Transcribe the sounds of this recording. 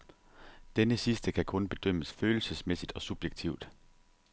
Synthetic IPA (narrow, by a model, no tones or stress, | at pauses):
d̥enəsisd̥əkʰækʰɔ̽nb̥e̝d̥øm̰əsføːl̩səsmesid̥ɒ̽sub̥jeɡ̥̚t͡sʰiʊ̰d̥